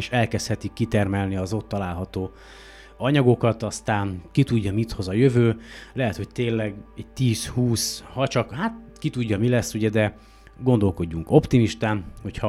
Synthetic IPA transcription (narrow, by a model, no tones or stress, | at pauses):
eʃɛlkɛst̪hɛt̪ikːit̪ɛrmɛlniɒzo̞t̪ːɒlaːlɦɒt̪oː | ɒɲɒɡo̞kɒt̪ɒst̪aːnkit̪uɟːɒmit̪ho̞zɒjøvøːlɛɦɛt̪ho̞c̚t̪eːlːɛɡɛɟ̚t̪iːshuːshɒt͡ʃɒkhaːt̪̚kit̪uɟːɒmilɛsːuɟɛd̪ɛ | ɡo̞nd̪o̞lko̞ɟːuŋko̞pt̪imiʃt̪aːnho̞cʰhɒ